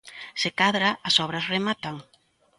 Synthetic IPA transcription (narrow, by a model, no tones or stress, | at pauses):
sekaðɾaːsɔβɾɐsremat̪aŋ